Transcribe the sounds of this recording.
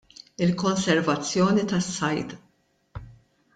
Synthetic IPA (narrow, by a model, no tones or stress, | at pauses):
ɪlkɔnsɛɾvɐt͡sːjɔːnit̪ɐsːɐjt̪